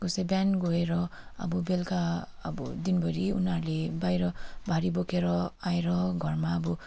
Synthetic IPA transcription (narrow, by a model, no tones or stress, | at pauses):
kusebjanɡoeɾʌa̰bɔbelka̰ːbɔ̰d̪inbʱʌɾiunaɾlebajɾʌbʱaɾibokʰeɾʌaeɾʌɡʱʌrmaːbɔ